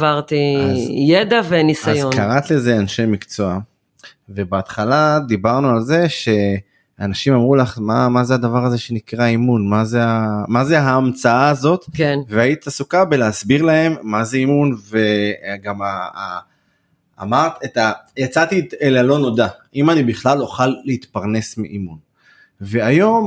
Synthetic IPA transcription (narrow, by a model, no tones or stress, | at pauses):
vaʁt̪izjed̪avenisajoknaʁat̪le̞ze̞anʃe̞mikt͡soa | ve̞beat̪χalad̪ibaʁnualze̞ʃe̞ | aanaʃimamʁulaχmamazead̪avaʁaze̞ʃe̞nikʁaimunmazeamazeɦaːmt͡saaːzo̞t̪kveait̪itasukabe̞leasbiʁlaɦe̞mːaze̞imunve̞ɡama | a̰maʁt̪et̪ajat͡sat̪itelalo̞no̞d̪aʔimanibiχlalo̞χalːeit̪paʁne̞smḭʔimun | ve̞ajo̞m